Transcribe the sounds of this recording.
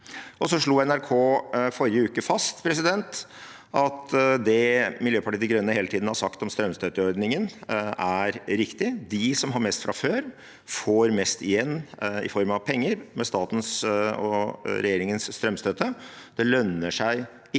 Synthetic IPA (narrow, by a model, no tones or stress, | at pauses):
ʔɔsɔʂɭuːɛnæɾkʰoːfɔɾɪəʉːkəfɑst̪pʰɾɛs̬ɪd̪ɛnt̪ | ʔɑt̪d̪ɛmɪljøːpʰɑʈiːt̪ɪɡɾœnːəheːlət̪id̪n̩hɑɾsɑkt̪ɔmst̪ɾœmst̪øːt̪əɔɾd̪nɪŋənæɾɾɪkt̪ɪd̪ɪsɔmɦɑɾmɛst̪fɾɑføːɾ | foːɾmɛst̪ɪjɛnːɪ̰fɔɾmɑʋpʰɛŋːəɾmɛst̪ɑːt̪n̩sɔɾɛ̰jeːɾɪŋənsst̪ɾœmst̪øːt̪əd̪ɛlœnːəʂæɪ | ɪ